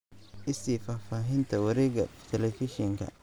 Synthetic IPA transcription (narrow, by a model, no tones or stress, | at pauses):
ʔɪsiːfaːfaːɦɪnt̪ʰɐwɐɾɛːɣɐ̰t̪ʰɛlɛfɪʃɛŋkʰɐ̰